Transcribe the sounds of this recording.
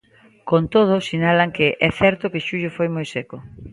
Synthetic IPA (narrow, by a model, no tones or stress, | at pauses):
kont̪oð̞ʊsinalaŋkɪʔɛθɛɾt̪ʊkeʃuʎʊfojmojsɛko